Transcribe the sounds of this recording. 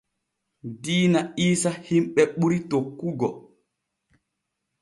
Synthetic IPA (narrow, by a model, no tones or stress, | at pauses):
diːnaiːsahimɓɛɓuɾitokːuɡɔ